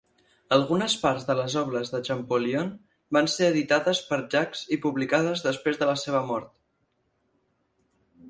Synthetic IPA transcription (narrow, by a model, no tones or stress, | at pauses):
əlˠɣunəspaɾzðələzɔβləzðəʒəmpolion | banseəðit̪aðəspəɾʒakzipuβlikað̞əzðəspɾezðələseβ̞əmɔɾt̪̚